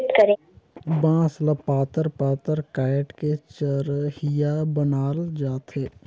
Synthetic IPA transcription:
t̪kəɾẽ | bãːsləpaːt̪əɾpaːt̪əɾkaːʈket͡ʃəɾhijabənaːld͡ʒaːt̪ɦeː

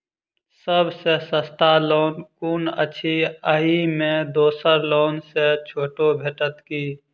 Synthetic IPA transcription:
səbʱsesəst̪ʰaloːnkuːnə̰t͡ʃʰiəɦimẽd̪oːsəɾloːnset͡ʃʰoːʈobʱeːʈət̪kiː

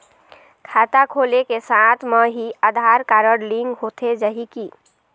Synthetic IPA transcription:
kʰat̪akʰolekesat̪ʰmeɦiəd̪ʱaɾkaɾəɽliŋɡɦot̪ʰed͡ʒəɦiki

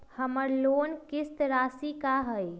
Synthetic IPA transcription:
həməɾloːnkɪst̪ɾaːsikaɦəj

